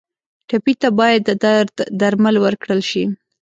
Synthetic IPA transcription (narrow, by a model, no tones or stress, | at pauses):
ʈapit̪abɑjad̪əd̪aɾd̪ːaɾməlwəɾkɽəlʃi